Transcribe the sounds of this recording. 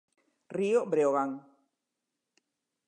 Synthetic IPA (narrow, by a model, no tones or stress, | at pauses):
riobɾeoɣaŋ